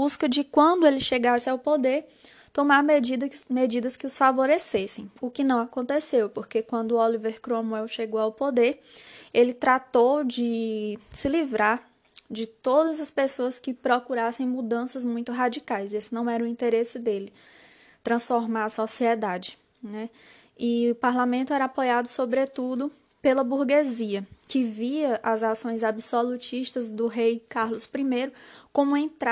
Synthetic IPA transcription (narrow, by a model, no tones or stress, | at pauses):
buskɐd͡ʒɪkwɐ̃d̪ʊelɪʃeɡasɪawpod̪eɾ | t̪õmaɾmed͡ʒid̪med͡ʒid̪ɐskɪʊsfavoɾesesẽj̃ʊkɪnɐ̃w̃akõnt̪esewpoɾkekwɐ̃nd̪ʊoliveɾkɾoɐ̃muɛwʃeɡowawpod̪eɾ | elɪt̪ɾat̪owd͡ʒɪsɪlivɾaɾ | d͡ʒɪt̪od̪ɐzɐspesoɐskɪpɾɔkuɾasẽj̃mud̪ɐ̃sɐzmũj̃t̪ʊɦad͡ʒikajzesɪnɐ̃w̃ɛɾɐʊĩnt̪eɾesɪd̪elɪ | t̪ɾɐ̃sfɔɾmaɾɐsɔsiɛd̪ad͡ʒɪ | nɛ | ɪʊpaɾlamẽnt̪ʊɛɾɐapojad̪ʊsobɾet̪ud̪ʊ | pelɐbuɾɡeziɐkɪviɐʔɐzasõj̃zabisolut͡ʃiʃt̪ɐzd̪ʊɦejkaɾlʊspɾimejɾʊkõmʊẽt̪a